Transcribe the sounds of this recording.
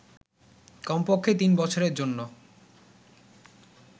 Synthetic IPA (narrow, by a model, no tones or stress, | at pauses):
kɔmpokʰːet̪inbɔt͡ɕʰoɾeɾd͡ʑonːo